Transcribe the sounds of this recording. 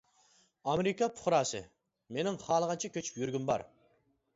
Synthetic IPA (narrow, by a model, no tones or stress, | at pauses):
ɑmeɾɪkʰɑpʰʊ̥χɾɑːsɨ̰ | menɪŋχɑːlˠəʁɑnt͡ʃʰɛkʲʰøt͡ʃʰy̥pjyɾɡʲymbɑ̰ɾ